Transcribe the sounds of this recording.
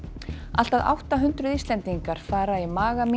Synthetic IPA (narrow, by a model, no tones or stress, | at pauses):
a̰l̥t̪aða̰wht̪aɦʏnt̪ɾʏðist̪lɛnt̪iŋkaɾ̥faːɾaimaːɣami